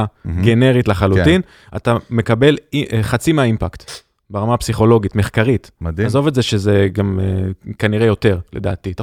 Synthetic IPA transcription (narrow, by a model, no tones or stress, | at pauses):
ɡe̞ne̞ʁitlaχalutin | a̰tame̞kabe̞liχat͡simeaimpakt̪ | beʁamapsiχo̞lo̞ɡitme̞χkaʁitmadiazo̞vetzeʃeze̞ɡamekaniʁejo̞te̞ʁle̞̰da̰ːtita